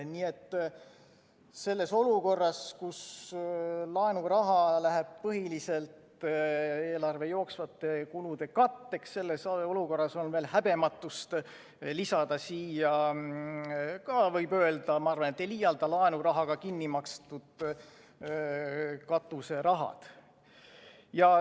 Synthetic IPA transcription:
niːe̞t̪ː | se̞lːe̞so̞luko̞rːɑskus | lɑenuɾɑɦɑlæɦeb̥̚pɤɦilise̞lt̪ | e̞ːlɑrve̞jo̞ːksvɑt̪ːˑe̞kulud̪̥e̞kɑt̪ˑːe̞ksːe̞lːeso̞luko̞rːɑso̞nveːlhæb̥e̞mɑt̪ˑːust̪ | lisɑd̪ɑsiːjɑ | kɑvɤjbø̞eld̪̥ɑmɑɑrvɑnet̪ːeliːjɑld̪̥ɑlɑenuɾɑɦɑɡ̥ɑkinːimɑkst̪ud̪̥ | kɑt̪ːˑuse̞ɾɑɦɑ̰d̪̥ | jɑ

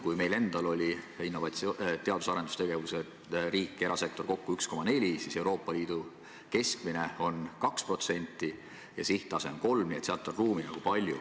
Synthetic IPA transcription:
kujme̞jle̞nd̪̥ɑlo̞lʲi | inːo̞vɑt̪st̪e̞ɑd̪̥usɑɾe̞nd̪̥ust̪e̞ɡe̞vuse̞ | riːkːˑe̞ɾɑse̞k̚t̪o̞rko̞kːuyksko̞mːɑne̞lʲisise̞uwɾo̞ːpːˑɑliːd̪̥u | ke̞skmine̞o̞nkɑkspro̞t̪se̞nʲt̪ˑːi | jɑ̰siht̪ˑɑse̞onko̞lmniet̪seɑt̪ːˑonruːminɑ̰ɡ̥upɑlʲjṵ

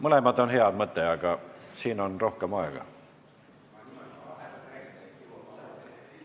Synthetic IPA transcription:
mɤle̞mɑd̪o̞nheɑd̪̥mɤt̪ːˑeɑɡ̥ɑsiːno̞nro̞hkemɑeɡ̥ɑ̰

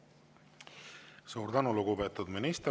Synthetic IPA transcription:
suːɾt̪ænuluɡupet̪ːˑud̪minist̪

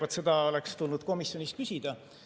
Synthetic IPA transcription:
vɑt̪se̞d̪̥ɑo̞lekst̪ulnud̪̥ko̞misjo̞niskysʲid̪̥ɑ

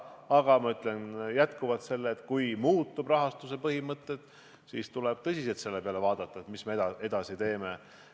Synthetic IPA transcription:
ɑɡ̥ɑmɑyt̪ˑlenjæt̪kuvɑt̪se̞lːeːt̪kujmuːt̪ːˑubrɑɦɑst̪usepɤhimɤt̪ːet̪ | sḭːst̪uleb̥̚t̪ɤsʲiselt̪se̞lːepeɑle̞vɑːd̪̥ɑt̪ːˑɑet̪mismee̞d̪̥ɑsit̪e̞ːme̞

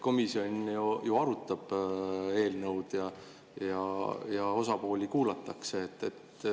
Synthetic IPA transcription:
ko̞misio̞njujuɑɾut̪ˑːɑb̥e̞ːlnɤwd̪̥jɑ | jɑjɑo̞sɑpo̞ːlʲikuːlɑt̪ˑːɑkse̞ːt̪ːet̪ː

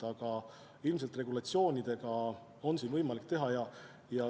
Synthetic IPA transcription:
ɑɡ̥ɑ | ilms̬e̞lt̪ˑre̞ɡulɑt̪sio̞ːnʲid̪̥e̞ɡ̥ɑ | o̞nsiːnvɤjmɑlik̚t̪e̞ɦɑjɑ | jɑ

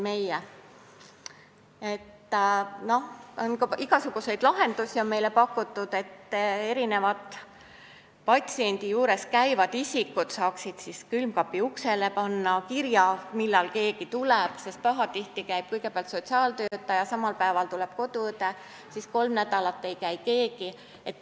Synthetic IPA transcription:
me̞je | e̞t̪ːno̞honkɑiɡ̥ɑsuɡ̥use̞jd̪̥lɑɦe̞nd̪usʲio̞nme̞jle̞pɑkˑːut̪ˑːud̪̥e̞t̪ːe̞ɾine̞vɑt̪ˑ | pɑt̪ʲsie̞nʲd̪̥ijuːɾe̞skæjvɑd̪̥isʲikːut̪sɑːksid̪̥siskylmkɑpːiukse̞le̞pɑnːɑkiɾjɑmilːɑlke̞ːkit̪ulɛb̥sest̪̚pɑɦɑt̪iht̪ikæjb̥̚kɯjɡ̥epeɑlt̪so̞t̪siɑːlt̪ø̞ːt̪ːˑɑjɑsɑmɑlpæevɑlt̪ulɛb̥̚ko̞d̪̥ut̪e | sisko̞lmnæd̪̥ɑlɑt̪ːe̞jkæjke̞ːɡi | et̪ːˑ

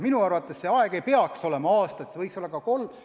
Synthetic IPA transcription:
minuɑrvɑt̪ːˑe̞sseɑeɡ̥e̞jpe̞ɑkso̞le̞mɑɑːst̪ɑt̪sɤjkso̞lːɑkɑko̞lː

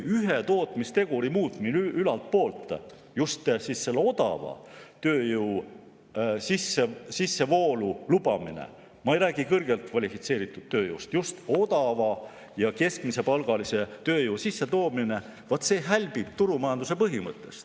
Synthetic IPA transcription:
yɦet̪o̞ːt̪ˑmist̪e̞ɡ̥uɾimuːt̪minylɑlt̪̚po̞ːlt̪ˑ | just̪sisːe̞lːeo̞d̪̥ɑ̰vɑ̰t̪øːjuw | sisesisːe̞vo̞ːlulub̥ɑmḭnḛ | mɑejɾæːɡ̥ikɤrɡ̥elt̪kvɑlʲifit̪se̞ːɾit̪ːˑud̪̥̚t̪ːøːjṵst̪just̪o̞d̪ɑvɑ | jɑke̞skmise̞pɑlɡ̥ɑlise̞t̪øːjuwsisːe̞t̪o̞ːmine̞ | vɑt̪se̞ːɦælʲb̥ib̥̚t̪uɾumɑjɑnd̪̥use̞pɤɦimɤt̪ːˑe̞̰st̪

